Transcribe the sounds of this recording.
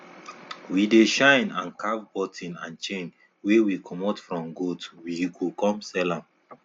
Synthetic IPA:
wideʃãɪ̃nãnkʰavbɔtʰĩnã̰nt͡ʃẽn | wewikʰɔmatfɹɔ̃mɡotwiɡukɔ̃msɛlãm

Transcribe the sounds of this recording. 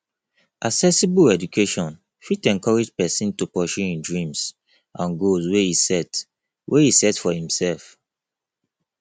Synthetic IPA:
ʔaksɛsibulɛd͡ʒukʰeʃɔ̃n | fitɛ̃nkɔɹed͡ʒpɛsĩntupɔʃuĩndɹĩms | ʔãnɡolswehisɛt | wʔehisɛtfɔhĩmsɛlf

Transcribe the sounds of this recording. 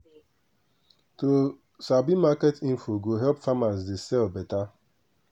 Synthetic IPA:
to | sabimaketim̩foɡoɦɛpfamasdɪsɛlbeta

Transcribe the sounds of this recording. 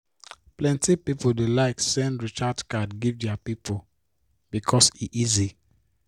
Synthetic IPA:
plɛ̃ntipipodelaɪksɛ̃nɹit͡ʃadkadɡivdɛapipʰo | b̥ikʰɔsiʔizi

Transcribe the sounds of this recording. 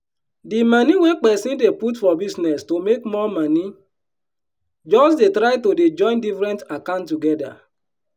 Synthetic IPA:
dimaniwek͡pɛsideputfɔbiznɛstomekmɔmani | d͡ʒɔs̬detɾaɪtoded͡ʒɔ̃ɪ̃ndifɾɛ̃ntakãntːuɡɛda̰

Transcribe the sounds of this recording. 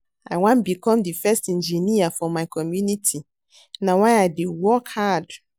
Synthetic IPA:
a̰ɪwãnbikʰɔ̃mdifɛstɛ̃nd͡ʒiniafɔmaɪkʰɔmjunitʰi | nãwaɪaɪdiwɔkhad

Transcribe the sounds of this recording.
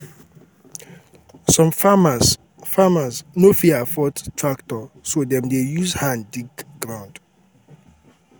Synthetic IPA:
sɔ̃mamas | famasnofiafɔttʰɹaktɔsodɛ̃mdejuzhãndiɡɡɹãʊ̃nd̥

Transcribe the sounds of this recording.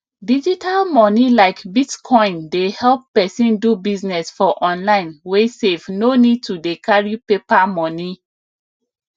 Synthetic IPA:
did͡ʒitalmɔnilaɪkbitkʰɔ̃ɪ̃ndehɛlp̚ːɛsĩndubiznɛsfɔʔɔ̃nlãɪ̃nwesevnonid̚tudekʰaɹipepamɔ̃ni

